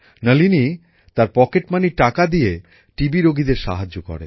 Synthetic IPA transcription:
nəlini | t̪aɾpɔkeʈmaniʈakad̪ije | ʈibiɾoɡid̪eɾʃa̰ɦad͡ʑːokɔ̰ɾḛ

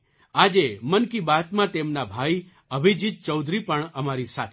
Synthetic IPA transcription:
ad͡ʒemənkibat̪mãt̪emnabʱai | əbʱid͡ʒit̪̚t͡ʃəwd̪ʱɾipəɳəmaɾisat̪ʰ

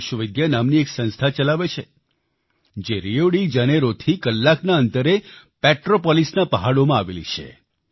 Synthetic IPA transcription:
ʃəʋɪd̪janamnieksə̃nst̪ʰat͡ʃəlaʋet͡ʃʰe | d͡ʒeɾioɽid͡ʒaneɾot̪ʰikəlːaknaənt̪əɾe | pɛʈɾopɔlisnapəɦaɽomãaʋḛlḭt͡ʃʰḛ

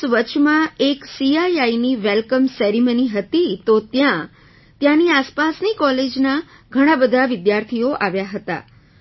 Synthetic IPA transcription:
ʋət͡ʃʰmãeksiajainiʋɛlkəmsɛɾiməniɦət̪it̪ot̪jã | t̪jãniaspasnikɔled͡ʒna | ɡʱəɽ̃ãbəd̪ʱaʋɪd̪jaɾt̪ʰioʔaʋjaɦət̪a̰

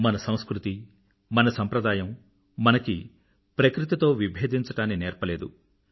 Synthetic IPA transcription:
mɐnɐsɐ̃w̃skɾut̪i | mɐnɐsɐmpɾɐd̪aːjɐmː | ɐnɐki | pɾɐkɾit̪it̪o̞ːʋibʱeːd̪ʱiɲt͡ʃɐʈaːnːinɛːɾpɐleːd̪u

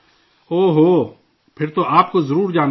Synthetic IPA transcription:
oːɦoː | pʰɪɾt̪oʔaːp̚kozɐɾuːɾd͡ʒaːn

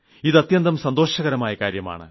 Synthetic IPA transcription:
iðɐt̪jɐnd̪ɐmsɐnd̪o̞ːɕɐɣɐɾɐmaːjɐkaːɾjɐma̰ːɳɨ̰

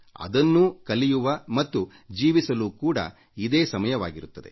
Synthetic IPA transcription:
ɐ̰d̪ɐnːukɐlijuʋɐmɐt̪ːu | d͡ʒiːʋisɐluːkuːɽɐ̰ | id̪eːsɐmɐjɐʋaːɡiɾut̪ːɐd̪e̞̰

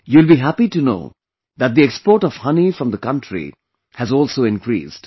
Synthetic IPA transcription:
juɪlbiɦæpiʈuno̰ː | d̪æt̚d̪iekspɔːɾʈɔʋ̥hʌnifɾʌ̃md̪əkʌ̃nʈɾḭ | hæzɔːlsoːɪ̃nkɾḭːsd

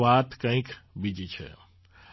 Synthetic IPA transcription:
aːt̪kə̃ĩkbid͡ʒit͡ʃʰɛ̰

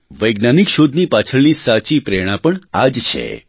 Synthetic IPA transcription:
ʋəjɡnanikʃod̪ʱnipat͡ʃʰəɭnisat͡ʃipɾeɽ̃ãpəɳad͡ʒt͡ʃʰḛ

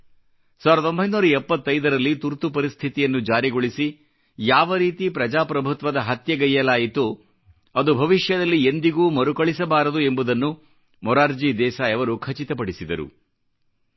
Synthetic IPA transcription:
saːʋɾɐd̪o̞mbʱɐjnuːɾɐɛpːɐt̪ːɐjd̪ɐɾɐlːit̪uɾt̪upɐɾist̪ʰit̪ijɐnːud͡ʒaːɾiɡo̞ɭisi | jaːʋɐɾiːt̪ipɾɐd͡ʒaːpɾɐbʱut̪ʋɐd̪ɐɦɐt̪jɐɡɐjːɐlaːjit̪u | ɐd̪ubʱɐʋiʂjɐd̪ɐlːiend̪iɡuːmɐɾukɐɭisɐbaːɾɐd̪ue̞mbud̪ɐnːu | mɔɾaːɾd͡ʒiːd̪ɛːsaɛʋɐɾukʰɐt͡ʃit̪ɐpɐɽisid̪ɐɾṵ

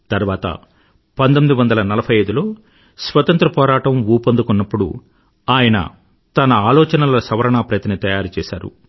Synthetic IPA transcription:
t̪ɐɾʋaːt̪ɐ̰ | pɐnt̪̬omid̪uʋɐnd̪ɐlɐnɐlɐpʰɐjɐjd̪ulo̞ː | sʋɐt̪ɐnt̪ɾɐpɔːɾaːʈɐmuːpɐnd̪ukɔnːɐpːuɽṵ | aːjɐnɐ̰ | t̪ɐnɐaːlɔːt͡ʃɐnɐlɐsɐʋɐɾɐɳaːpɾɐt̪init̪ɐjaːɾit͡ʃɛːsaːɾṵ

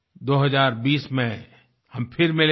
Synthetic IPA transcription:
d̪oːɦɐzaːɾbiːsmẽ | hɐmpʰɪɾmɪl

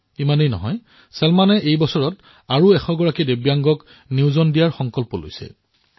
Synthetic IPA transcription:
imanejnɔ̰ɦɔj | sɛlmanɛʔejbɔsɔɹɔt | aɹuɛxɔɡɔɹakidebjaŋɡɔk | niwzɔndijaɹxɔŋkɔlpɔlo̰jsɛ̰

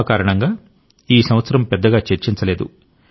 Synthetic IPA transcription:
kaːɾɐɳɐŋɡaː | iːsɐmʋɐt̪sɐɾɐmpɛd̪ːɐɡaːt͡ʃe̞ɾt͡ʃint͡ʃɐle̞ːd̪ṵ

